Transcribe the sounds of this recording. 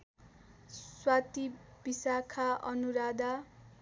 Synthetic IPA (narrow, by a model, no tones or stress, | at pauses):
swat̪ib̥isakʰaʌ̰nuɾad̪a